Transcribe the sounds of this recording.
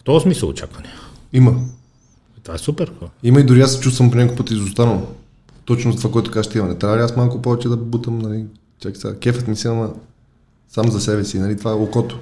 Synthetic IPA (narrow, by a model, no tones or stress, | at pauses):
ft̪ɔːsmisəlˠo̰t͡ʃa̰kvɐnɛ | imɐ | t̪vaɛsupɛɾimɐid̪ʊɾiasːɛ̥t͡ʃust̪vɐmponʲakojpət̪izʊst̪anəlˠ | t̪ɔt͡ʃnʊzɐt̪ovakoɛt̪ʊ̥kaʒʃt̪ɛimɐnɛt̪ɾʲavɐliasmalˠkʊpɔvɛt͡ʃɛd̪ɐbut̪əmnɐli | t͡ʃakʲi̥sa̰kʲɛfət̪misiɐmɐ | samzɐsɛbɛsinɐlit̪vaɛlˠokɔt̪o̥